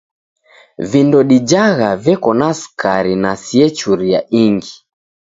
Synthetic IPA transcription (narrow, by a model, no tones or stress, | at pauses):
vindɔɗid͡ʒaɣavɛkɔnaskaɾinasiɛt͡ʃuɾiaʔiŋɡi